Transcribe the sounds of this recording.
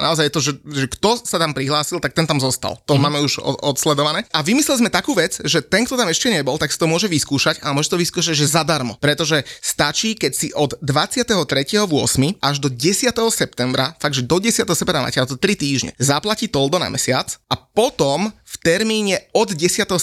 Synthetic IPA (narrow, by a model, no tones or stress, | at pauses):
naɔzajɛt̪ɔʒɛʒɛkt̪ɔsat̪ampɾiɦlaːsilˠt̪ak̚t̪ɛnt̪amzɔst̪a̰lt̪ɔmaːmɛuʒɔ̰ɔt̪slɛd̪ɔʋanɛːʔaʋimislɛlizmɛt̪akuːʋɛd͡zʒɛt̪ɛnŋkt̪ɔt̪amɛʃcɛɲɛbɔlt̪aksi̥t̪ɔmʊɔʒɛʋiskuːʃaɟalmɔʒɛsit̪ɔʋiskuːʃaɟʒɛzad̪aɾmɔpɾɛt̪ɔʒɛst̪at͡ʃiːkɛcsiʔɔd̪ːʋat͡sɪat̪ɛɦɔt̪ɾɛcɛɦɔʋʊɔsmiʔaʒd̪ɔɟɛsɪat̪ɛɦɔsɛp̚t̪ɛmbɾafaɡ̪̚ʒɛd̪ɔɟɛsɪat̪ɛɦɔsɛpt̪ɛmɾana̰cat̪ɔt̪ɾit̪iːʒɲɛ̰zaplaciːt̪ɔld̪ɔna̰mɛsɪat͡sʔapɔt̪ɔmft̪ɛɾmiːɲɛɔd̪ɟɛsɪat̪ɛɦɔ